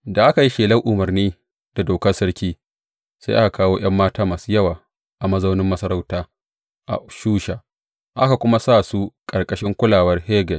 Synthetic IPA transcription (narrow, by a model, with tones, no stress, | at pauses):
da˨ʔa˦ka˨ji˦ʃeː˨lɐ˦ŋʔʊ˨mɐ˨rniː˦ | d̥a˨doː˨kɐ˦sɐ˦ɽkʲiː˦ | sa˦jʔa˦ka˨kaː˦woː˦j̰ɐ˦mːaː˦taː˦maː˨su˦jɐ˦˨waː˨ | ʔa˨mɐ˦za˦wnɪ˦mːɐ˦sɐ˦ɾa˦wtaː˦ | ʔa̰˨ʃuː˦ʃaː˨ | ʔa˦ka˨kʷʊ˦ma˦saː˦˨su˦kʼɐ˨rkʼɐ˦ʃɪ˦ŋkʷʊ˦laː˨wɐ˦rheː˦ɡɛ˨t